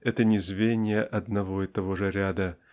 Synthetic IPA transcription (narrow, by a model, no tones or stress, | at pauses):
ɛt̪ənʲɪzvʲenʲɪjəʔɐd̪nɐvo̞it̪ɐvoʐɨɾʲad̪ə